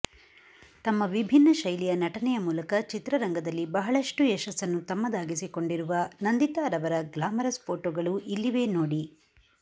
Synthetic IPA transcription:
t̪ɐmːɐʋibʱinːɐʃɐjlijɐnɐʈɐnɛjɐmuːlɐkɐt͡ʃit̪ɾɐɾɐŋɡɐd̪ɐlːibɐɦɐɭɐʂʈuɛʃɐsɐnːut̪ɐmːɐd̪aːɡisiko̞ɳɖiɾuʋɐnɐnd̪it̪aːɾɐʋɐɾɐɡlaːmɐɾɐspʰoːʈoːɡɐɭuʔilːiʋe̞ːnoːɽi

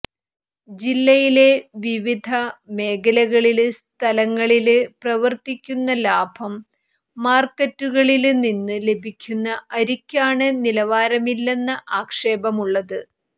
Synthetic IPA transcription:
d͡ʑilːɐjile̞ʋiʋid̪ʱɐme̞ːɣɐlɐɣɐɭilst̪ʰɐlɐŋːɐɭilɨprɐʋɐrt̪ikʲːunːɐlaːbʱɐmː | aːrkːɐtːuɣɐɭilninːɨle̞bʱikʲːunːɐʔɐɾikʲːaːɳɨnilɐʋaːɾɐmilːe̞nːɐʔaːkʂe̞ːbɐmuɭːɐðɨ

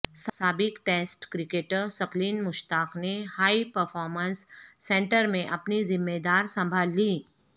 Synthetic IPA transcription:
ssaːbɪkʈeːsʈkɾɪkeːʈəɾsɐkliːnmʊʃt̪aːqnehaːipɐɾfʰɔːɾmə̃nsːɛ̃ːɳʈəɾmẽʔɐpnizɪmːed̪aːɾsɐ̃mbʱaːlːiː

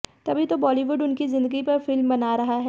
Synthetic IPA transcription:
t̪ɐbʱit̪obɔːliʋʊɖʊnkizɪ̃nd̪əɡipɐɾfɪlmbɐnaːɾɐɦaɦɛː

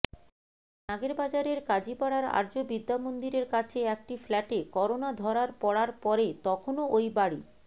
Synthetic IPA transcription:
naɡeɾbad͡ʑaɾeɾkad͡ʑipaɽaɾa̰ɾd͡ʑobid̪ːamond̪iɾeɾkat͡ɕʰeɛk̚ʈiflɛʈekɔɾonad̪ʱɔɽaɾpɔɽaɾpɔɾet̪ɔkʰonoojbaɽi

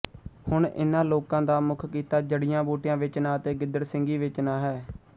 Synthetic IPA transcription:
hʊɳɪ̰nãːloːkãːd̪aːmʊkʰkiːt̪aːd͡ʒəɽɪjãːboːʈɪjãːʋɪt͡ʃnãːət̪eːɡɪd̪əɾsɪŋɡiːʋɪt͡ʃnaːɦɛː

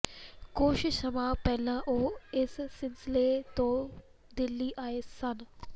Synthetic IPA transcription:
koːʃɪʃəmãːpɛːlãʔoːɪsːɪlsɪlet̪õː | d̪ɪlːiːʔaːeːsən

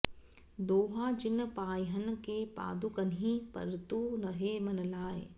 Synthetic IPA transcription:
d̪oːɦad͡ʒɪnpaːjɦənkepa̰ːd̪ukɐnɦĩpɐ̰ɾt̪unɐɦemɐnlaːḛː

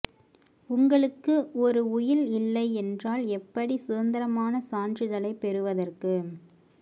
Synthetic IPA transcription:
ʊŋɡɐɭɯkːɯʔɔɾɯʊjɪlɪlːɐɪɛndraːlɛpːɐɽisɯːnd̪ɐɾɐmaːnɐsaːnrɪðɐlɐɪpːɛɾɯʋɐðɐrkɯ

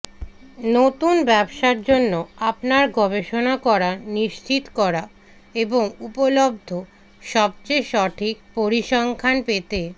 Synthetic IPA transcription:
not̪unbɛbʃaɾd͡ʑonːoapnaɾɡʱɔbeʃonakɔɾaniʃt͡ɕit̪kɔɾa | eboŋupolob̚d̪ʱo | ʃɔb̚t͡ɕejʃɔʈʰik̚poɾiʃɔŋkʰanpet̪e

